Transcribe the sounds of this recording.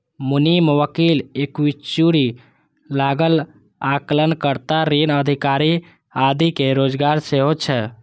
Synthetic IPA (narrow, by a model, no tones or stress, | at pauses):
muniməwəkilekwit͡ʃuɾi | laɡəl | aklənkəɾt̪aɾinəd̪ʱikaɾi | ad̪ikeɾod͡ʒɡaɾseɦot͡ʃʰɛ